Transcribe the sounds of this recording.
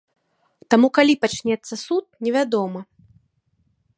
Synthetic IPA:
t̪amukalʲipat͡ʃnʲɛt̪sːɐsut̪̚nʲɛvʲad̪ɔmɐ

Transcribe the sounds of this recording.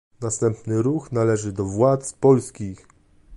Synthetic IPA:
nast̪ɛmpnɘɾuxnalɛʐɘd̪ɔvwat̪spɔlskʲix

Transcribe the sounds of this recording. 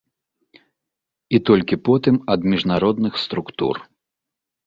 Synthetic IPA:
it̪ɔlʲkʲipɔt̪ɨmɐd̪mʲiʐnaɾɔd̪nɨxst̪ɾukt̪ṵr

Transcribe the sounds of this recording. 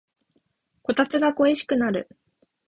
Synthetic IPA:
ko̞t̪at͡sɨɡako̞eɕi̥kɯ̟naɾɯ̟

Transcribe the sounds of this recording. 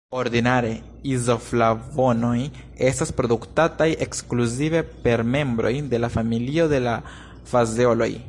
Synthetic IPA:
o̞ɾdinaɾe̞ | izo̞flavo̞no̞j | e̞staspɾo̞duktatajʔe̞kskluzive̞pe̞ɾme̞mbɾo̞̰jde̞lafamilio̞de̞la | fazeo̞lo̞̰j

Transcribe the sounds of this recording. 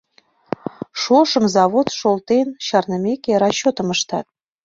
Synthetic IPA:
ʃoʃɤ̆mzɑβot̪ʃolt̪enɕɑrnɤ̆mʲekeɾɑɕːot̪ə̆məʃt̪ɑ̰t̪̚

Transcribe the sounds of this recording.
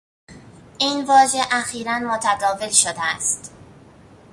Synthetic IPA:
ʔiːnvɒːʒe̞ʔæxiːɾænmot̪ʰæd̪ɒːve̞lʃod̪eæst̪

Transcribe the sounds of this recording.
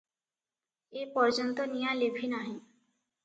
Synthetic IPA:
epɔɾd͡ʒɔnt̪ɔnijalebʱinaɦĩ

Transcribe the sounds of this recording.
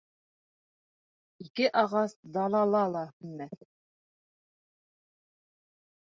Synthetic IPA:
ikɘʔɑʁɑsd̪ɑlˠɑlˠɑlˠɑhɘ̆nmːæθ

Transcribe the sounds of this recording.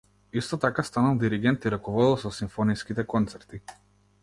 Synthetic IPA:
ist̪ɔt̪akast̪analˠd̪iɾiɡɛnt̪iɾakɔvɔd̪ɛlˠsɔsiɱfɔniskit̪ɛkɔnt̪sɛɾt̪i

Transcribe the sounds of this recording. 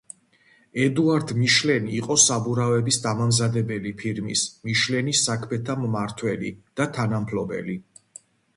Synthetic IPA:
ɛd̪uaɾd̪miʃlɛniːqʼɔsabuɾavɛbisd̪amamzad̪ɛbɛlipʰiɾmḭsmiʃlɛnisːakʰmɛt̪ʰammaɾt̪ʰwɛlḭd̪̥at̪ʰanampʰlɔbɛ̰li

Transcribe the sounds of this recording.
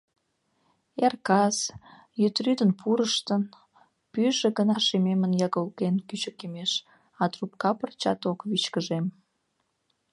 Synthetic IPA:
erkɑs | jyt̪ryd̪ənpuɾəʃt̪ən | pyʒĕɣənɑʃimemənjɑɣəlkenkyt͡ɕəkemeʃ | ɑt̪rupkɑpərt͡ɕɑ̰t̪okβit͡ɕkəʒem

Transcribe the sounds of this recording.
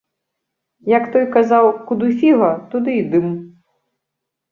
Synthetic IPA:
jɐkt̪ɔjkazawkud̪ufʲiɣɐt̪ud̪ɨid̪ɨm

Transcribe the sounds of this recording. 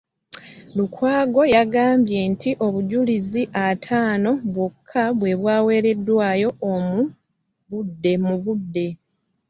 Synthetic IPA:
lukwaːɡo̞jaɡaːmbje̞ːntʰiʔo̞βuɟuliziʔatʰaːno̞βwokʰːaβwe̞βwaːwe̞ːɾe̞dːwaːjo̞ːmu | βudːe̞muβudːe̞

